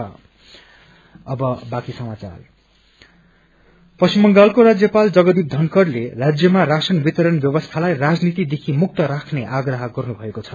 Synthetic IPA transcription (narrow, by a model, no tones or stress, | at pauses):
ʌ | ʌbʌbakisʌmat͡sa̰r | pʌsimːʌŋɡalkoɾad͡zjʌpald͡zʌɡʌd̪ib̚d̪ʱʌŋkʌrlerad͡zjʌmarasʌnbit̪ʌɾʌnbjʌbʌst̪ʰalajrad͡znit̪id̪ekʰimuk̚t̪ʌɾakʰneʔaɡrʌɦʌɡʌrnubʱʌekot͡sʰʌ